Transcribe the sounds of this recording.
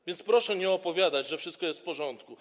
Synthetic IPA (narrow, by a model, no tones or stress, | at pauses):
vʲjɛntspɾɔʂɛɲɛɔpɔvʲjad̪ad͡ʑʐɛfʂɘst̪kɔjɛst̪fpɔʐɔnt̪ku